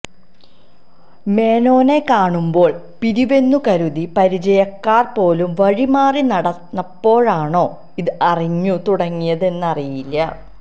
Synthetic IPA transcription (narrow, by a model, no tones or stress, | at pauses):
me̞ːno̞ːne̞kaːɳumbo̞ːɭ | piɾiʋe̞nːukɐɾuðipɐɾid͡ʑɐjɐkːaːrpo̞ːlumʋɐɻimaːrinɐɽɐɐpːo̞ːɻaːɳo̞ː | iðɨɐriɲːut̪uɽɐŋːijɐðe̞nːɐrijilːɐ